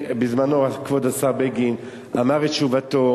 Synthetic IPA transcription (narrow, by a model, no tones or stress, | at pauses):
bizmanoakvod̪asaʁbeɡin | amaʁetʃuvat̪o